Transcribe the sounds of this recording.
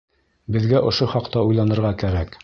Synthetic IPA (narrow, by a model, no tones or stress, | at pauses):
bɘ̆ðɡæʔŏʃoχɑqt̪ɑujlˠɑnɤ̆ɾʁɑkæɾæk